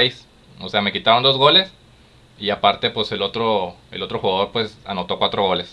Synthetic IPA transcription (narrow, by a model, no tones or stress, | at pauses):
ejs | ose̞ame̞kit̪aβand̪o̞zɣo̞le̞s | iapaɾt̪e̞pwe̞se̞lo̞t̪ɾo̞e̞̰lo̞t̪ɾo̞xuɣaðo̞ɾpwe̞sa̰no̞t̪o̞kwat̪ɾo̞ɣo̞le̞s